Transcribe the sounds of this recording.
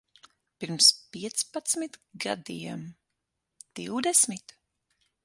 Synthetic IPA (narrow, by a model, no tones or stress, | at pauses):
piɾmspiɛt̪spat̪smit̪ɡa̰d̪ijɛm | d̪̥iwd̪ɛsmit̪